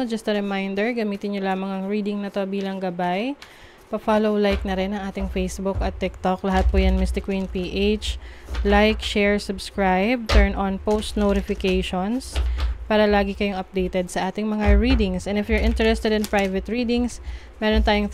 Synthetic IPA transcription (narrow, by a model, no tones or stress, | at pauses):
d͡ʒɐst̪ɐɾɛmajnd̪ɛɹɡɐmiːt̪ɪnɲolaːmɐŋɐŋɹiːd̪ɪŋnɐt̪obiːlɐŋɡɐbaj | pɐfaːlowlajk̚nɐɾɛnɐŋʔaːt̪ɪŋfejsbʊkɐt̪ːɪk̚t̪oklɐɦat̪̚pojɐŋmɪst̪ɪkwinpiːʔet͡ʃlajkʃɛɹsʊbskɹajb̚t̪ɛɹnɔnpowst̪noɾɪfɪkejʃonspaːɾɐlaːɡɪkɐjoŋɐp̚d̪ejt̪ɛd̪̚sɐʔaːt̪ɪŋmɐŋaɹiːd̪ɪŋsʔɛnɪfjʊɹʔɪ̃nt̪ɛɹɛst̪ɛd̪ɪnpɹajvɛt̪ɹiːd̪ɪŋs | mɛːɾont̪aːjʊŋ